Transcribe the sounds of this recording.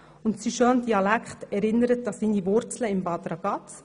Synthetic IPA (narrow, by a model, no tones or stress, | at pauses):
ʊntsiʃondiɑlækχtɛɾɪnːəɾət̚d̥ɑsindivʊɾt͡sləɪmbɑːd̪ɾɑɡ̥ɑt